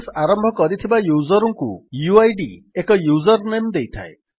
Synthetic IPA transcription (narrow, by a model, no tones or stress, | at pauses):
saɾɔmbʱɔkɔɾit̪ʰibajuzɔɾɔŋkṵjuajɖḭekɔjuzɔɾnemd̪ejt̪ʰa̰e